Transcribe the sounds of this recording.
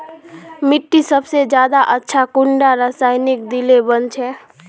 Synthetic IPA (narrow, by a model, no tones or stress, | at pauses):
mɪʈːisəbsed͡ʒjaːd̪aʔətːʃʰakʊɳɖaɾəsaːɪnik̚d̪ilebənt͡ʃʰɛ